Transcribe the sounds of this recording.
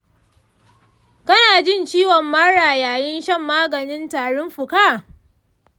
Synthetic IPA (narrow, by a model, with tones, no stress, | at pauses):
kɐ˦naː˨d͡ʒɪ˦nt͡ʃiː˦wɔ˨mːɐ˦ɽaː˨jaː˨jɪ˦nʃɐ˦˨mːaː˦ɡɐ˨nɪ˦ntaː˨ɽʊ˦mɸʊ˨kaː˦˨